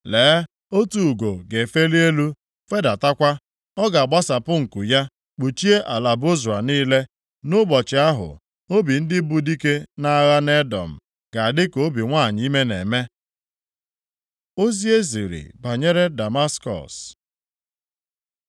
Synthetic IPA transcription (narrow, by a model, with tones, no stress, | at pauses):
leː˨˦ | o˦tu˨u˨ɡo˨ɡe˨fe˦li˦e˦lu˦ | fe˦da˨ta˦kʷa˦ | ɔ˦ɡa˨a˨ɡ͡ba˦sa˨pʊ˦ŋ̩˨ku˨ja˦ | k͡pu˨t͡ʃi˦e˦ʔa˨la˨bʊ˦zu˨a˨niː˦le˦ | nʊ˦bɔ˨t͡ʃɪ˨a˦ɦʊ̰˨ | o˦bi˨n̩˦dɪ˦bu˨di˦ke˦na˦ɣa˦ne˦dɔ̰˨m̩˨ | ɡ̥a˨a˨dɪ˦ko˨˦bi˨ŋʷa˦˨ɲ˦i˦me˦nḛ˨me˦ | o˦zi˦e˦zḭ˨ɾḭ˨ba˨ɲe˦ɾe˦da˨ma˦skɔ̰˨s